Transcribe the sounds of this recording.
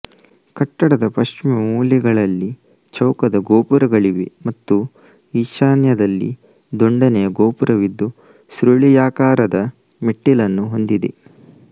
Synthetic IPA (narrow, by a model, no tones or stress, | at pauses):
kɐʈːɐɽɐd̪ɐpɐʃt͡ʃimɐmuːliɡɐɭɐlːi | t͡ʃɐwkɐd̪ɐɡoːpuɾɐɡɐɭiʋḛmɐt̪ːu | iːʃaːnjɐd̪ɐlːḭ | d̪oɳɖɐnɛjɐɡoːpuɾʔɐʋid̪ːu | sɾuɭijaːkaːɾɐd̪ɐ | miʈːilɐnːuɦo̞nd̪id̪ḛ